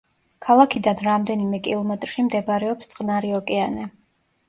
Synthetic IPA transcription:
kʰalˠakʰid̪anɾamd̪ɛnimɛkʼḭlˠɔmɛt̪ʼɾʃimd̪ɛbɾɛɔpst̪sʼqʼnaɾiɔkʼɛanɛ

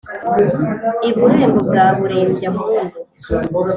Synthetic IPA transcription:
iβuɾeːmbubɡaːβuɾeːmbja

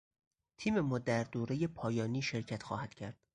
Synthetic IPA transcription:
t̪ʰiːme̞mɒːd̪æɾd̪oːɾe̞je̞pʰɒːjɒːniːʃe̞ɾcʰæt̪xɒːhæd̪̥cʰæɾd̪̥

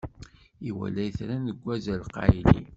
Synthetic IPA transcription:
iwæ̰lːæjθɾænəɡʷːæzælqɑ̰jlḭ

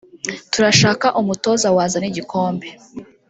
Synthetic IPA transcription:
tuɾaʃaːkaʔumuto̞ːzawaːzaniɟikʰo̞ːmbe̞

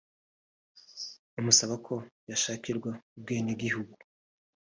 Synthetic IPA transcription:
umusaβakʰo̞jaʃaːkiɾɡwaub̚ɡeːneɡihuɡu

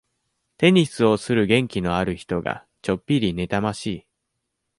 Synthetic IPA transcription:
t̪e̞ɲ̟isɨo̞sɨɾɯ̟ɡẽ̞ŋkʲino̞aɾɯ̟çi̥t̪o̞ɡa̰ | t͡ɕo̞pʲːiɾʲine̞t̪amaɕiː

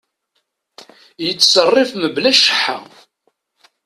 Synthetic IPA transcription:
jət͡sːsərˤːɪfməblæʃə̥ħːa̰

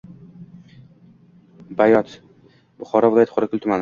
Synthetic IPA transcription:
bajɒt̪ | bʊχɒɾɒvlˠajt̪χʰʊɾɪkʲʰʊlt̪ʰʊman

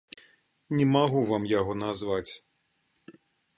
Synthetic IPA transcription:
nʲɛmaɣuvamjaɣɔnazvat͡sʲ

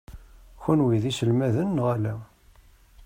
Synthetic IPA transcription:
xunwiðisəlmæðənːʁælæ

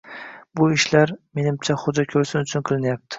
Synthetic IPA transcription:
bʊɪʃlaɾme̞nɪmt͡ʃʰaχʊd͡ʒakʲʰɵlsɪnʊt͡ʃʰʊnqʰɨlˠɪnjap̚t̪ʰɪ̥

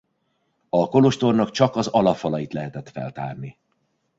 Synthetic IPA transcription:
ɒko̞loʃt̪o̞rnɒkt͡ʃɒkɒzɒlɒfɒlɒjit̪lɛɦɛt̪ɛt̪fɛ̰lt̪a̰ːrni

